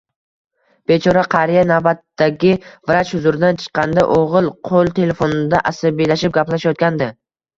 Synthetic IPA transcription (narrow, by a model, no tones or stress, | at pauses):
b̥e̞t͡ʃʰɒɾaqʰɑɾijanavbat̪ːaɡʲɪvɾat͡ʃhʊzʊɾɪd̪ant͡ʃʰɨ̥qʰːɑnd̪aʔoʁɨlˠqʰolˠt̪ʰe̞le̞fonɪd̪aʔasabilaʃɪp̚ɡʲaplaʃjɒt̪̚kʲand̪ɪ